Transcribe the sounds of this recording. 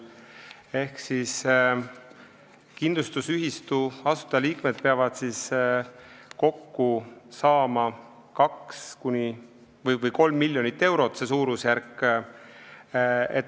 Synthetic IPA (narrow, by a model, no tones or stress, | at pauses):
e̞hksis | kind̪lust̪usyɦist̪uɑsu̥t̪ɑliːkme̞d̪̥̚peɑvɑd̪̥sis | ko̞kːusɑːmɑ | kɑkskunʲi | vɤjvɤjko̞lmːilʲːjo̞nit̪ːe̞wɾo̞t̪ːse̞s̬uːɾusjæɾkː | ḛt̪ː